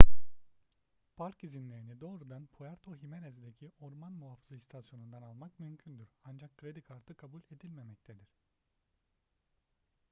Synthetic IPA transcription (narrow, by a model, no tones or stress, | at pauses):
pʰaɾkizinlʲe̞ɾinid̪o̞ːɾud̪anpʰujaɾt̪ʰoɦimenezd̪ecʰiʔoɾmanmuɦafɯzast̪ʰasjo̞nund̪analˠmakmymcʰynd̪yɾand͡ʒakʰːɾe̞d̪ikʰaɾt̪ʰɯkʰabulʲe̞d̪ilʲme̞mɛc̚t̪ʰed̪iɾ̝̥